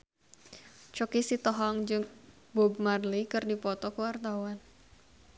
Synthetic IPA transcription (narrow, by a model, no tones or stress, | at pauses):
t͡ʃokisit̪ɔɦɔŋd͡ʒɨŋ | bobmarlikɨrdipɔt̪ɔkuwart̪awan